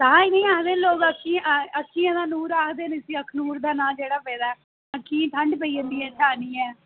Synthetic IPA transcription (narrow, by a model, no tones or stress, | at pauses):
t̪ãːɪnĩːaːkd̪eːloːɡəkʰːĩːəkʃĩːãd̪ãːnuːɾaːkd̪eːnɪsiːəkʰnuːɾd̪aːnãːd͡ʒeːɽaːpɛːd̪aːɛː | əkʰːĩːt̪ʰəɳɖpəiːət̪ːiːɛ̃ːt͡ʃʰaːniːɛː